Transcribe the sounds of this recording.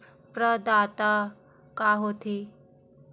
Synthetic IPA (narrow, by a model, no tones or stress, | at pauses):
pɾəd̪at̪a | kaɦot̪ʰi